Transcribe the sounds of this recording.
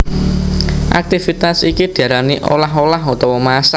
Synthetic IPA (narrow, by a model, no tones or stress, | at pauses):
ʔa̰k̚t̪ifit̪asikid̪̥i̤aɾaniʔo̰laɦolaɦot̪ɔwɔmasa